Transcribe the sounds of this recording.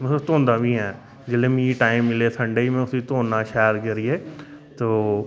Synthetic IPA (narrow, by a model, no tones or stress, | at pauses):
mt̪õːnd̪aːbʱĩɦɛ̃ː | d͡ʒɪlẽmĩːʈaːɪmːɪleːsʰə̃ɳɖeimẽʊsiːt̪oːnãːʃaːɾkəɾiːeːt̪oː